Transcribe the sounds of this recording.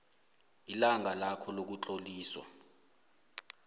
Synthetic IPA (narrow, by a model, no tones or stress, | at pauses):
ilaŋʱalakʰɔlok̬ut͡ɬʼoliːswa̰